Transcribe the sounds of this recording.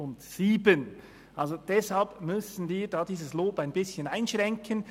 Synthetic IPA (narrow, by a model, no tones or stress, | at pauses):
ʊntsiːbən | ʔalzod̥ɛshalpmʏsən̩viːdaːdiːzəsloːpaɪnbɪsçənaɪnʃʁɛŋkʰən